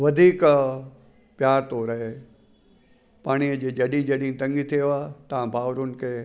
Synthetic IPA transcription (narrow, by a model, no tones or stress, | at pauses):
ʋɐd̪ʱiːk | pjaːɾt̪oɾɐɦeː | paːɽ̃iəd͡ʑeːd͡ʑɐɗĩd͡ʑɐɗĩt̪ɐ̃ŋɡit̪ʰieaːt̪ɐʋ̤ãbʱaːʋɾʊn̆kʰeː